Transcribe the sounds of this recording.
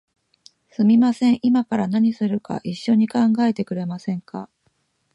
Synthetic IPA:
sɨmʲimasẽ̞ɰ̃ʔimakaɾanaɲ̟isɨɾɯ̟ka̰ʔiɕːo̞ɲ̟ikãŋɡae̞t̪e̞kɯ̟ɾe̞masẽ̞ŋka̰

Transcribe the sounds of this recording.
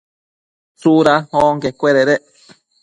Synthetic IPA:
suɾahoŋkekʷeɾeɾeʔ

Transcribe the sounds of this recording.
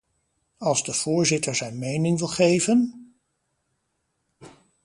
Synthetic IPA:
ɑlˠzdəv̥ʊːɹzɪtəɹzɛjnmejnɪŋʋɪlˠχejvən

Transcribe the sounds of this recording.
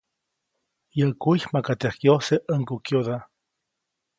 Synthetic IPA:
jəkuçmakat̪ehkjoseʔəŋkukjod̪a

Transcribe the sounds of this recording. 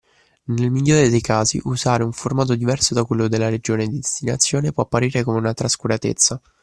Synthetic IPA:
nelmiʎːoːɾed̪ejkaːzḭʔuzaːɾeuɱformaːt̪̬od̪ivɛrsod̪akwelːod̪elːaɾed͡ʒoːned̪id̪est̪ina̰t̪sːjoːnepwɔapːaɾiːɾekomeunat̪ɾaskuɾat̪ḛt̪sːa

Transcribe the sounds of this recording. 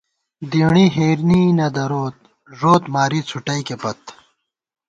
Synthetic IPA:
d̪iːɳiɦeːɾniːnɐd̪ɐɾoːt̪̚ | ʐoːt̪maːɾit͡sʰuʈɐikepɐt̪̚

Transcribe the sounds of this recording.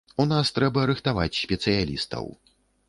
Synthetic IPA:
unast̪ɾɛbɐːɾɨxt̪ava̰t͡sʲsʲpʲɛt̪sɨjalʲist̪ɐ̰w

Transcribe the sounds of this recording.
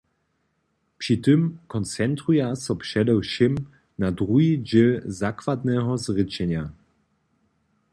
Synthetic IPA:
pʂit̪ɨmkɔnt͡sɛnt̪ɾujasɔpʂɛd̪ɛwʃɪm | nad̪ʁuɦid͡ʑelzakvad̪nɛɦɔzʁɪt͡ɕɛɲa

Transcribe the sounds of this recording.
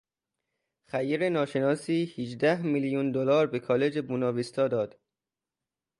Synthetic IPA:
xæjiɾe̞nɒːʃe̞nɒːsiːhid͡ʒd̪æhmiljund̪olɒːɾbekʰɒːle̞d͡ʒebuːnɒːvist̪ɒːd̪ɒːd̪̥

